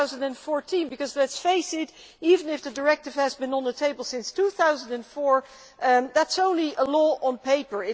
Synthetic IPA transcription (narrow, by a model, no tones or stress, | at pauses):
ʊzndɨ̃nfɔɹtʰĩnbɨkʌzlɛtsfeɪsɪt | ivə̃nɪfðɨdə˞ɛk̚tɨv̥ɨzbɨ̃nə̃nðətʰeɪbəl̩ˠsɪ̃nstʰuθaʊzə̃n̩dɨ̃nfɔɹ | ðætsõʊ̃nliʔəlɔə̃npeɪpə˞ɪ